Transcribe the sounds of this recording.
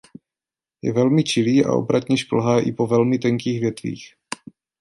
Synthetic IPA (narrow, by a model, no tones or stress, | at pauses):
jɛ̰vɛlmɪt͡ʃɪliːʔa̰ʔo̰bɾat̪ɲɛʃpl̩ɦaːʔɪpo̞vɛlmɪt̪ɛŋkiːɣvjɛt̪vḭːx